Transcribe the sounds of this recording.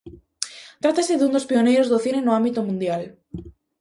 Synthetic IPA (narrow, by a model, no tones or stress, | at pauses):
t̪ɾat̪aseðund̪ospionejɾozðoθinenoãmbit̪omũnd̪jal